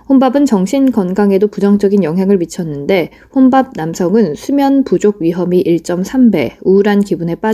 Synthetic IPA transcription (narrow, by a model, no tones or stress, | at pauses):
ɸonbabɯnt͡ɕʌŋɕʰinkʌnɡaŋe̞dopud͡ʑʌŋd͡ʑʌɡinjʌŋɦjaŋɯɭmit͡ɕʰʌnːɯnde̞ | ɸonbab̚namsʰʌŋɯnsʰumjʌnpud͡ʑoɡ̚ɥiɦʌmiʔiɭt͡ɕ͈ʌmsʰambe̞̰uɾankibune̞p͈a